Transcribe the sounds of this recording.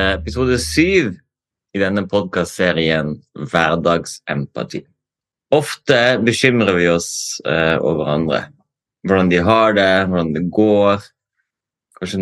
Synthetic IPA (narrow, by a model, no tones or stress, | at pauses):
ɛpɪsuːd̪əsyːʋ | ɪd̪ɛnːəpʰɔd̪̚kɑst̪seːɾɪənʋæɾd̪ɑːɡsʔɛmpɑ̰t̪ʰḭː | ɔft̪əbəʃʏmɾəʋɪɔs | o̰ːʋəɾɑ̰nd̪ɾə̰ | ʋʊɖɑnd̪ɪɦɑːɖɛʋʊɖɑnd̪ɛɡoːɾ | kʰɑʃə